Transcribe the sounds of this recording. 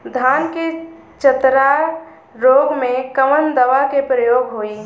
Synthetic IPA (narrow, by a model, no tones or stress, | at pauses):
d̪ʱanke | t͡ʃət̪ɾa | ɾoːɡmẽkəʋənd̪əʋakepɾəjoːɡɦoi